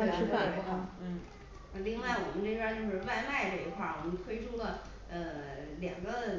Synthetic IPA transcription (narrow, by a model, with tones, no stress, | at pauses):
kʰa˥˩˦ | na˥˧li˥˧ŋwa˥˩ɪwɔ˨˩mə˦nʈ͡ʂe˥˧˥a˥˧˥t͡ɕjo˥˧ʊʂɻ̩˥˧wa˥˧ɪma˥˩ɪlə˧˩˧kʰwa˥˩wɔ˨˩mə˦nt̪ʰwe˥ɪʈ͡ʂʰu˥d̪ə˨ | ə˧ljɑ̰˨˩ŋɡə˦